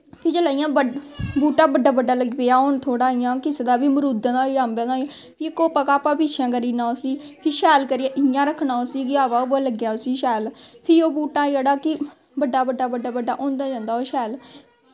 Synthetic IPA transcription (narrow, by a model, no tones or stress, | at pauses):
pʰɪt͡ʃəlaːɪjãːbəbuːʈãːbəɖːaːbəɖaːləɡpeːaːoːnt̪ʰoːɽaːɪjãːkɪsed̪aːbiːməɾud̪d̪aːiãːmbãd̪aː | pʰiːkoːpəkaːpãːpiːt͡ʃʰãːkəɾiːnãːosiːpʰɪɾʃɛːlkəɾɪjaʔɪjãːɾəkʰːnaːosiːkɪaːʋaːbləɡjaːosiːʃɛːlpʰɪɾoːbuːʈãːioːɽaːkɪ | bəɖːaːbəɖːaːbəɖaːbəɖaːʔõːnd̪aːd͡ʒãːnd̪aːoːʃɛːl